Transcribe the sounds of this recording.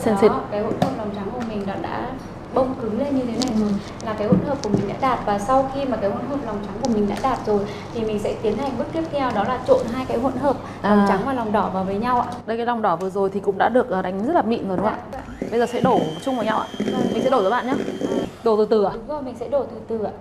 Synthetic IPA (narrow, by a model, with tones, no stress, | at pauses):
si˧nsi˧˩˦kaː˨˦jho̰˧˥nhəː˨˩p̚la˨˩wŋ͡mt͡ɕa˨˦ŋku˧˩əmï˨˩ŋ̟ɗɔ˨˦ɗa̰ː˧˥ | ɓə˧wŋ͡mkɨ˨˦ŋle˧nɲɨ˧t̪ʰe˨˦na˨˩jzo˨˩j | laː˨˩kaː˨˦jho̰˧˥nhəː˨˩p̚ku˧˩əmï˨˩ŋ̟ɗa̰ː˧˥ɗaː˨˩t̚vaː˨˩sa˧wxi˧maː˨˩kaː˨˦jhə̰˧˥˨nɦəː˨˩p̚la˨˩wŋ͡mt͡ɕa˨˦ŋku˧˩əmï˨˩ŋ̟ɗa̰ː˧˥ɗaː˨˩t̚zo˨˩j | t̪ʰi˨˩mï˨˩ŋ̟sɛ̰˧˥t̪i˨˦ənha˨˩jŋ̟ɓɨ˦˥t̚t̪i˦˥əp̚t̪ʰɛ˧wɗɔ˨˦laː˨˩t͡ɕo̰˧˨nɦaː˧jkaː˨˦jɦwə̰˧˨nɦəː˨˩p̚ | aː˨˩ŋ͡mt͡ɕa˨˦ŋvaː˨˩lɔ˨˩wŋ͡mɗɔ˧˩vaː˨˩wvəː˨˦jɲa˧wʔa̰ː˧˨ɗə˧jkaː˨˦la˨˩wŋ͡mɗɔ˧˩vɨ˨˩əzo˨˩jt̪ʰi˨˩kʊ̰˧˥ŋ͡mɗa̰ː˧˥ɗɨ˨˩ək̚ʔəː˨˩ɗa˨˩jŋ̟zə˦˥laː˨˩mḭ˧˨nzɗŋ͡maː˧˨ɓə˧jzəː˨˩sɛ̰˧˥ɗo˧˩˨t͡ɕʊ˧ŋ͡mva˨˩˦ɲa˧wʔa̰ː˧˨˩mï̟˨˩sɛ̰˧˥ɗo˧˩zəː˨˦a̰ː˧˨ɲaː˧ɗo˧˩t̪ɨ˨˩t̪ɨ˨˩a˨˧˨zo˨˩jmï˨˩ŋ̟sɛ̰˧˥ɗo˧˩t̪ɨ˨˩t̪ɨ˨˩a̰ː˨˧˨